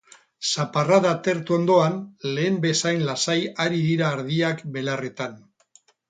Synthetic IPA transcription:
saparaðat̪e̞ɾt̪uo̞nd̪o̞anle̞ːmbe̞sajnlasajaɾiðiɾaːɾð̞iakbe̞lare̞t̪an

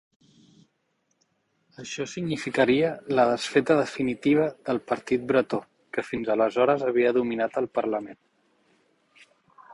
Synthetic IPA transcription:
əʃɔsiɡnifikəɾiələðəsfɛt̪əðəfinit̪iβ̞əðəlˠpəɾt̪it̪̚bɾət̪o | kəfinzələzɔɾəzəβ̞iəðuminat̪əlˠpəɾləmen

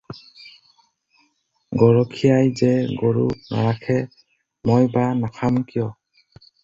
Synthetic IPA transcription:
ɡɔɹɔkʰijajzɛɡoɹṵna̰ɹakʰɛ | mɔjbanakʰamkijɔ

